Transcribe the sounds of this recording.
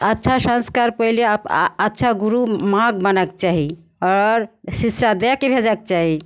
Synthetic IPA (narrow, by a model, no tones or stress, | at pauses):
ətːʃʰasãnskaɾpəiliətːʃʰaɡuɾumãɡbənak̚t͡ʃaɦi | ɔɾsissad̪ɛakebʱed͡ʒak̚t͡ʃaɦi